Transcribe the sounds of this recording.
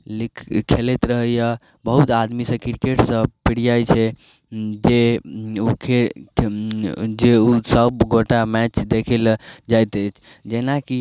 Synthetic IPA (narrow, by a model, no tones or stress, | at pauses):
likʰkʰelet̪ɾəɦəja | bəɦut̪ad̪misə̃kiɾkeʈsə̃piɽijajt͡ʃʰɛ | d͡ʒeukʰe | d͡ʒeusəbɡoʈamɛt͡ʃd̪ekʰɛld͡ʒajt̪ət͡ʃʰ | d͡ʒenaki